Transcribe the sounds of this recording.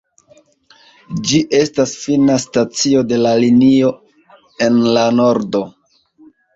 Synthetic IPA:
d͡ʒiʔe̞stasfinastat͡sio̞de̞lalinio̞ | e̞nlano̞ɾdo̞

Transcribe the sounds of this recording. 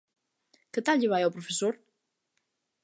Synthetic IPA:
kət̪alʎeβajɛwpɾofesoɾ

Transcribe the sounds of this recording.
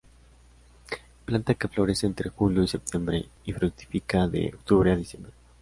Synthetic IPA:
plant̪akeflo̞ɾe̞seːnt̪ɾe̞xuljoise̞p̚t̪je̞mbɾe̞ifɾuk̚t̪i̥fikaðḛok̚t̪uβɾeaðisjembɾe

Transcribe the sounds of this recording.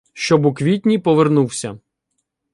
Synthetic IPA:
ʃt͡ʃɔbukʋʲit̪ʲnʲipɔʋernuwsʲɐ

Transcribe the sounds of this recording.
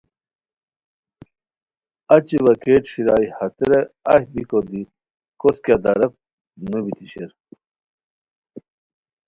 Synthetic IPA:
ɐt͡ɕiʋɐkeʈɕiɾaːihɐt̪eɾeɐhbikod̪i | koskjad̪ɐɾɐk̚ | nubit̪iɕeɾ

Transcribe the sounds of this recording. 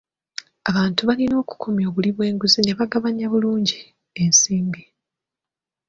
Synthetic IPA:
aβaːntuβalino̞ːku̥kʰomjo̞ːβuliβwe̞ːŋɡuzine̞βaɡaβaɲaβuluːɲɟi | e̞nsiːmbi

